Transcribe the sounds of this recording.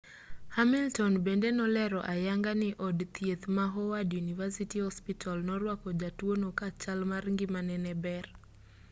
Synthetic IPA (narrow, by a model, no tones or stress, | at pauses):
hamiltɔnbendenɔlɛɾɔʔajaŋɡanɪʔɔdt̪ijet̪maɦɔwadjunivasitihɔspitʰalnɔɾwakɔd͡ʒatwonokat͡ʃalmaɾŋɡɪmanɛnɛbɛr